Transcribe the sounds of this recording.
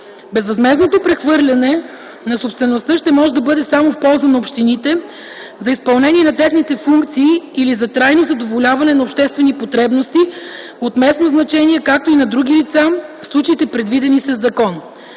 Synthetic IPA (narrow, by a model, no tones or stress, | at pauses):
bɛzvɐzmɛznot̪opɾɛxvɤɾlʲɐnɛ | nɐsopst̪vɛnost̪əʃt̪ɛmɔʒɛd̪ɐbɤd̪ɛsamofpɔlˠzɐnɐopʃt̪init̪ɛ | zɐispɐlˠnɛnʲiɛnɐt̪ɛxnit̪ɛfuŋkt̪siːlizɐt̪ɾajnozɐd̪ovolʲavɐnɛnɐopʃt̪ɛst̪vɛnipot̪ɾɛbnost̪i | ot̪mɛsnoznɐt͡ʃɛniɛkak̚t̪oinɐd̪ɾuɡ̟ilit̪safslˠut͡ʃɐit̪ɛpɾɛd̪vid̪ɛnisɐzːɐkɔn